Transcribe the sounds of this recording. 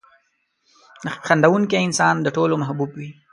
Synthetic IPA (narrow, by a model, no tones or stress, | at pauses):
xand̪awuŋkeɪnsɑnd̪əʈolomahbubwi